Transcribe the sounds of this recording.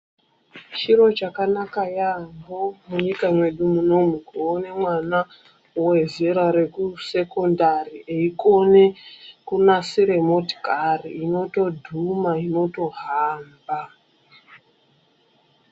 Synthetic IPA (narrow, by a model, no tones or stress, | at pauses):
t͡ʃiro̞t͡ʃakanakajaŋɡomuɲikamwe̞ɗumuno̞mukuone̞mwana | uwe̞zeɾaɾe̞kuse̞ko̞ndariʔeiko̞ne̞kunasiɾe̞mo̞tkariino̞to̞dʱumaino̞to̞ɦaːmba